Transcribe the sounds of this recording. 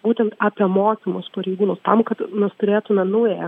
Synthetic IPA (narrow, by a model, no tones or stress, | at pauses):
buːt̪ʲɛnt̪ɑːpʲiɛmoːkʲimospɐɾʲɛɪɡuːnoːst̪ɐmkɐt̪nʲʊst̪ʊɾʲeːt̪ʊmʲɛnɐʊjɛɛ